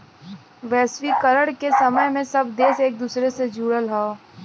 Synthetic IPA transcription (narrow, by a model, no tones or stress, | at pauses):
ʋɛːsʋikɐɾəɽkesɐməjmẽsɐbd̪eːseːk̚d̪uːsɾesed͡ʒuːɽəlɦao